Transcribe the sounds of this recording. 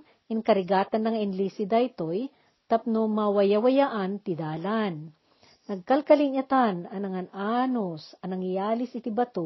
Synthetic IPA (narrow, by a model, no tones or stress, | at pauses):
ʔɪŋkɐɾɪɡaːt̪ɐnːɐŋɪnlisɪd̪ɐɪt̪oj | t̪ɐp̚nomɐwɐjawɐjaʔɐnt̪ɪd̪aːlan | nɐɡ̚kɐlkɐlɪŋɐt̪anɐnɐŋɐnʔaːnosɐnɐŋjaːlɪsɪt̪ibɐt̪o